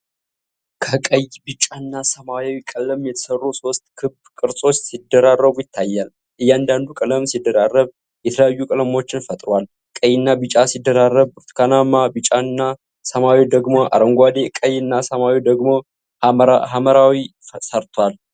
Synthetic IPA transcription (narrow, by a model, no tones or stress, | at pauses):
kʰəkʼəjbɨt͡ʃʼanːasəmawewikʼəlːəmjɛt̪ʰə̥sərːuso̞st̪̚kʰɨbbkʼɨɾsʼo̞t͡ʃːsid̪ːəɾarːəβujɪt̪ʰːajːal | ʔɨjːand̪and̪ukʼələmsid̪ːəɾarːəβ | jɛt̪ʰələjajːukʼələmo̞t͡ʃːɪnfət̪ʼɾwal | kʼəjːɪnːabɨt͡ʃʼasid̪ːəɾarːəβɾt̪kʰanamːabɨt͡ʃʼanːa | səmawid̪əɡmo̞ʔa̰ɾəŋɡʷad̪ekʼəjːɨnːasəmawid̪əɡmo̞ | ɦaməɾawi | səɾt̪ʰwal